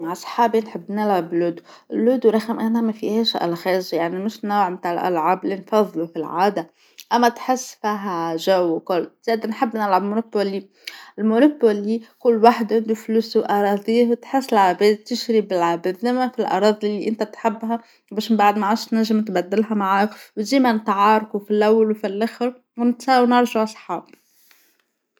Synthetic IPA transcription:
maʕsˤħɑːbinħɪbːnɪlʕabluːd̪u | ʔɪlːuːd̪uɾˤɑɣamʔanamafiheːʃʔa̰lxeːʒjaʕnimɪʃnowʕmt̪aːʕɪlʔa̰lʕaːblinfɑðˤːlufilʕaːd̪a | ʔamːat̪ħɪsːfiɦaʒawːkʊlz̥eːd̪nħɪbːnɪlʕabmonopːoli | ɪlmonopolikʊlːwaħd̪ʕɪnd̪ufluːswʔɑɾˤɑːðˤiːwt̪ħɪsːɪlʕabɛːd̪̚t̪ɪʃɾibɪlʕabed̪ɪmːafilʔɑ̰ɾˤɑːðˤlːiʔɪnt̪æt̪ħɪbːɦa | beːʃmmbaʕd̪maʕaːʃnaʒːɪmɪt̪bad̪ːɪlɦamaʕaːkwt̪d̪iːmanɪt̪ʕɑːɾˤkufilʔawːalwfilʔaxɾ | wnɪt̪saːwnɑɾˤʒaʕɑsˤħɑːb̚

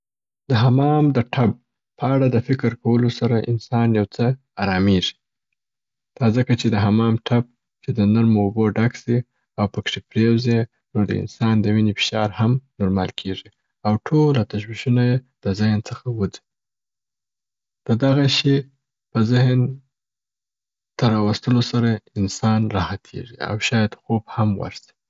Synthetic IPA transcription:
d̪̥əɦamɑmd̪əʈʰab̚ | pʰəaɽad̪əfɪkɾkawəlosaɾaʔɪ̰nsɑnjawt͡sə | aɾɑmeʐi̥ | t̪ʰɑzakat͡ʃed̪əɦamɑmʈʰab̚ | t͡ʃed̪ənaɾmoːboɖaksi | awpəkʂepɾewze | nod̪ə̰ɪ̰nsɑnd̪əminefɪ̥ʃɑɾhamnʊɾmɑ̰lkʰeʐi | awʈʰolat̪aʃ̬wiʃunajed̪̥əzɪhnt͡səxawəd͡zi̥ | d̪̥əd̪aɣaʃe | pəzɪɦn | t̪aɾɑwast̪əlosaɾaɪnsɑnɾɑhat̪ʰḛʐḭa̰wʃɑjad̪xobhamwa̰ɾsi̥

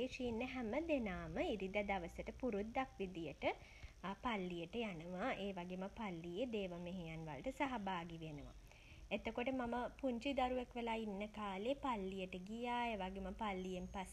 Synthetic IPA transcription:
eːʂiːnːəɦæməd̪enaːməiɾid̪ad̪aʋəsəʈəpuɾud̪ːakʋid̪ijəʈə | palːijəʈəjanəʋaʔeːʋaɡeməpalːijed̪eːʋəmeɦejanʋa̰lʈəsaɦabaːɡiʋenəʋa̰ | et̪okoʈəmaməpuɲt͡ʃid̪aɾuʋekʋelaːinːəkaːlepalːijəʈəɡijaːeːʋaɡeməpalːijempas

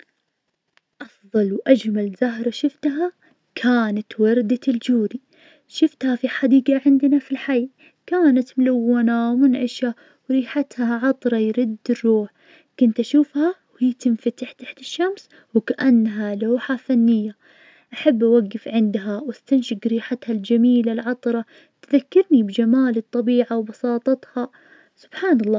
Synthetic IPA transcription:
ʔɑfðˤɑlwʔad͡ʒmalzaɦɾˤɑʃɪft̪ɦa | kʰaːnat̪wɑɾˤd̪aɪld͡ʒuːɾi | ʃɪft̪hafiħad̪iːɡaʕɪnd̪nafilħaj | kaːnat̪mʊlawːanawmɪnʕɪʃa | wɾiːħat̪haʕɑt̪ˤɾˤɑjɾʊd̪ːɪrːuːħ | kʊnt̪ʔaʃuːfhawhiːt̪ɪnfat̪aħt̪aħt̪ɪʃːams | wkaʔanːɦalaːħafanːɪjːa | ʔaħabːʔawaɡːɪfʕɪnd̪ɦawast̪anʃɪkɾiːħat̪hald͡ʒamiːlalʕɑt̪ˤɾˤɑ | t̪ðakːɑɾnibd͡ʒamaːlɨt̪ˤːɑbiːʕawbɑsˤɑːt̪ˤɑt̪hɑ | sʊ̥b̥ħaːnɑlˤːɑː

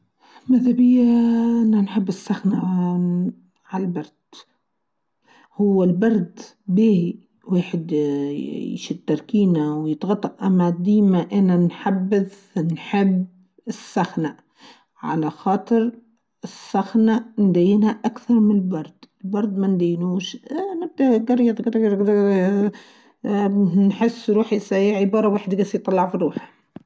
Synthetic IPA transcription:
maðhabɪjːaʔɪnːanħɪbːɪsːaxna | ʕalabɑɾˤd̪̥ | hʊwːɪlbɑɾˤd̪ | biːi | weːħɪd̪ | ʃɪd̪̚t̪ːɑɾˤkiːnawjɪt̪ɣɑt̪ˤːɑʔʔamad̪iːmaʔɪnanħabːɪð | nħɪb | ɪsːaxna | ʕa̰laxɑːt̪ˤɨɾ | ɪsːaxnand̪ajːɪnhaʔakθɑɾˤmɪnɪlbɑɾˤd̪̥ɪlbɑɾˤd̪ˤmand̪ajːnuːʃnɪb̚d̪aɡɑɾˤjɑt̪ɡɑɾˤ | nħɪsːɾuːħsajɪʕʕɪbɑːɾˤɑweːħɪd̪ɡasjt̪ˤːɑlːɑʕfiɾuːħḁ

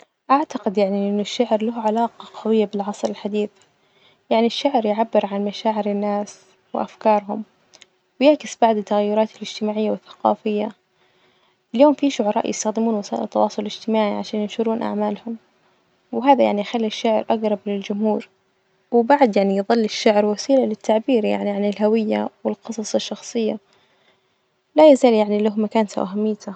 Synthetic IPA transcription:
ʔaʕt̪aqɪd̪jaʕniʔɪnːʊʃːaʕɾlaɦʕalaːqɑqʰɑwɪjːabɪlʕɑsˤɾɪlħad̪iːθ | jaʕniʃːaʕɾjʕabːɪɾʕanmaʃaːʕɪɾɪnːaːs | wɪ̰ʔafkɑːɾˤɦʊm | wjaʕkɪsbaʕd̪ɪt̪ːaɣajːʊɾˤɑːt̪ɪlɪd͡ʒt̪ɪmaːʕɪjːawɪθːḁqɑ̰ːfɪjːa | ɪljoːmfiʃʊʕɑɾˤɑːʔjɪ̰st̪axd̪ɪmuːnwasaːʔɪ̰lt̪ːɑwɑːsˤʊllɪd͡ʒt̪ɪmaːʕiʕaʃaːnjɪnʃʊɾuːnʔa̰ʕmaːlhʊm | wɪɦaːðajaʕnijxalːiʃːaʕɾʔaɡɾˤɑblɪld͡ʒʊmhuːɾ | wɪbaʕd̪jaʕnijðˤɨlːɪʃːaʕɾwasiːlalɪt̪ʰːaʕbiːɾja̰ʕniʕanɪlɦawɪjːawɪlqɨsˤɑsˤɑʃːɑxsˤɨjːa | lajazaːljaʕnilaɦmːakaːnsa̰ʔaɦamːɪjːt̪ʰa

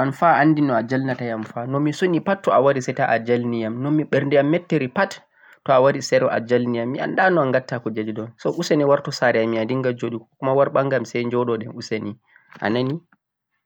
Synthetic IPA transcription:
ʔanfaanːdinɔad͡ʒalnatajamfanɔmːisonipatːɔawaɾisɛtaʔad͡ʒalnijamnɔːiɓɛɾndɛjamːɛtːeɾipatː | ɔawaɾisɛɾɔʔa̰d͡ʒalnijamːia̰ndanɔaŋɡatːakɔd͡ʒad͡ʒɗɔnsɔʔuseniwaɾtɔsaɾɛamiadiŋɡad͡ʒoɗikɔkumawaɾɓaŋɡamsɛjnd͡ʒɔɗɔɗɛ̰nuseni | ʔa̰nani

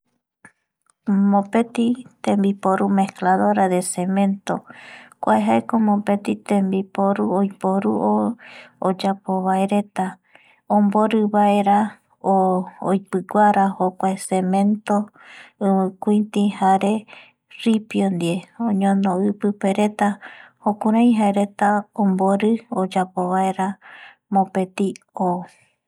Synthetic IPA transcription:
mõpe̞t̪it̪ẽmbipoɾume̞klaðoɾaðe̞semẽ̞nt̪okʷaeɦaekomõpet̪it̪ẽmbipoɾuojpoɾuo | od͡ʒapoβaeɾe̞t̪a | õmboɾɨβaeɾa | ojpɨɡʷaɾahokʷaesemẽ̞nt̪o | ɨ̃mɨ̃kʷuĩt̪ĩhaɾe̞ | ripjond̪ieõɲõnoɨpɨpe̞ɾe̞t̪ahokũɾãj̃ɦaeɾe̞t̪aõmboɾɨod͡ʒapoβae̞ɾa | mõpe̞t̪i | o

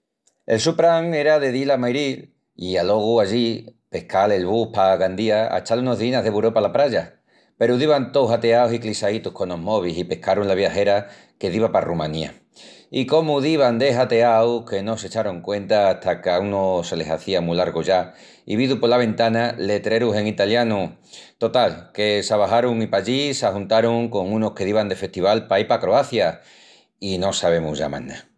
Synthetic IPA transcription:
elsupɾaŋe̞ɾaðe̞ðilamajɾil | ialo̞ɣ̞uaʎipe̞hkʰale̞lβupaɣand̪iaa̰t͡ʃaluno̞ɦðinaɦðe̞βuɾo̞palapɾaʝa | pe̞ɾuðiβant̪owɦat̪eaosiklisait̪uhko̞no̞mo̞β̞isipe̞hkaɾunlaβ̞jaxe̞ɾa | ke̞ðiβaparumãnia̰ | iko̞muðiβand̪e̞ɦat̪e̞awke̞no̞se̞t͡ʃaɾoŋkwẽ̞nt̪aːht̪akaunose̞le̞saθiamulaɾɣoʝa | ḭβiðupolaβ̞ẽ̞nt̪anale̞t̪ɾe̞ɾuse̞ŋit̪aljanu | t̪o̞t̪alke̞saβaɦaɾuŋipaʎisahunt̪aɾuŋko̞ŋũno̞hke̞ðiβand̪e̞fe̞ht̪iβalpaipakɾoaθja | ino̞saβe̞muʝa̰ma̰nːa

